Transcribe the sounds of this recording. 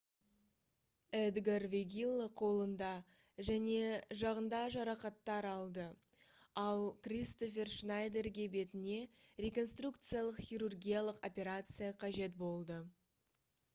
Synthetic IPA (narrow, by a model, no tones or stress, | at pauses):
ɛd̪ɡarvʲeɡʲilˠːoqʰo̞lˠənd̪ɑ | ʒæne̞ʒɑʁənd̪ɑʒɑɾɑqɑt̪ːɑɾɑlˠd̪ə | ɑlˠkrʲist̪o̞f̬ʲe̞rʃnajd̪e̞rɡʲe̞be̞t̪ɪne̞ɾʲe̞ko̞nst̪rukt̪sɨjalˠəqχʲijɾurɡʲijalˠəqo̞pʲe̞ɾat̪sɨjaqʰɑʒe̞t̪bo̞lˠd̪ə